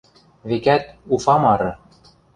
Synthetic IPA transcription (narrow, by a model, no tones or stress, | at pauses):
βekæt̪ufɑmɑɾɤ̆